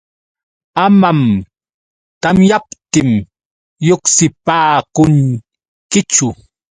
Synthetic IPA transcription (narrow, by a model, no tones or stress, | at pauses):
amam | t̪amjapt̪ɪm | joksɪpaːkʊŋ | kɪt͡ʃʊ